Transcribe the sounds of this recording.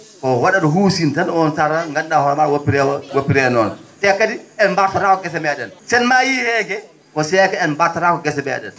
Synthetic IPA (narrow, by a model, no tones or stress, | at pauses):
kɔwaɗaɗɔɦuːsintanɔnsaɾaŋɡanːahɔɾmaɾwopiɾɛwwopːiɾɛnɔnsɛkːadiɛnmbaɾtaɾakɔɡɛs̬ɛmɛɗɛnsɛnmajihɛːɡɛ | kɔsɛːkaɛnmbaɾtaɾakɔɡɛs̬ɛmɛ̰ɗɛn